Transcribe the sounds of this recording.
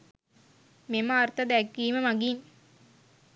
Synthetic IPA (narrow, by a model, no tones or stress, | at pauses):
memaːɾt̪ɐd̪ækːiːmɐmɐɡin